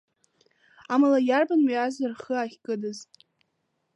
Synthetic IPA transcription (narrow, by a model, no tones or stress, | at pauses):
amalajarbanwiazarχəaχʲkʼɨdɨzʼ